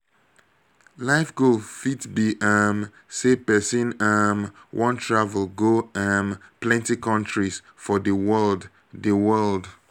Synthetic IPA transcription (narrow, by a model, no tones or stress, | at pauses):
laɪfɡofitbiʔam | sepɛsĩnamwʔɔ̃ntʰɹavəlˠɡoãmplɛ̃ntikɔ̃ntɹis | fɔðəwɜld | dəwɜld